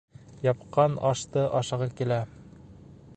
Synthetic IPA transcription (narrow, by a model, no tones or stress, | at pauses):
jɑp̚qɑnɑʃt̪ɤʔɑʃɑ̆ʁɤkilæ